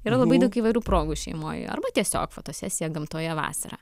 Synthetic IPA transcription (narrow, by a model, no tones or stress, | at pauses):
iːɾɐlˠɐbɐɪd̪ɐʊkiːʋɐɪɾʲuːpɾoːɡuʃʲɛ̰ɪmo̰ːjɐ̰ɾbɐt̪ʲiɛsʲo̰ːkfoːt̪oːsʲæːsʲɪjɛɡɐmt̪uːjɛʋɑ̰ːsɐ̰ɾɐ̰